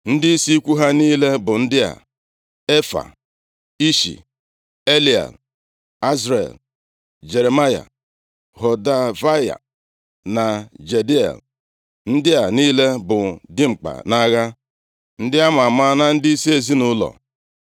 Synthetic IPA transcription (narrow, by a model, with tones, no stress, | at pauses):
n̩˦dɪ˦i˦si˦kʷu˦ɦa˦niː˦le˦bʊ˨n̩˦dɪ˦a̰˨ | e˦fa̰˨ | i˦ʃḭ˨ | e˦li˦˨a̰˨l | a˦zɾe˨l | d͡ʒe˨ɾe˨ma˦ja̰˨ | hɔ˨da˦va˦ja̰˨ | na˨d͡ʒe˨di˦a̰˨l | n̩˦dɪ˦a˨niː˦le˦bʊ˨dɪ˦ŋ͡m̩˨k͡pa̰˨na˦ɣa˦ | n̩˦dɪ˦a˦ma˨ma˦na˦n̩˦di˦i˦si˦e˨zi˦nʊ˦lɔ̰˨